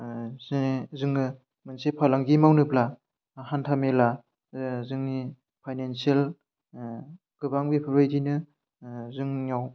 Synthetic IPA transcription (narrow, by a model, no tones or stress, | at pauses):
zzɯŋɯ | mɯnsepʰalaŋɡimawnɯpla | hantʰamela | zɯŋni | pʰajnensiel | ɡ̥ɯbaŋbepʰɯbajdinɯ | zɯŋaw